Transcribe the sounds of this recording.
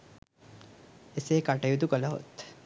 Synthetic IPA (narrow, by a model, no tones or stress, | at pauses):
eseːkaʈəjut̪ukələɦo̰t̪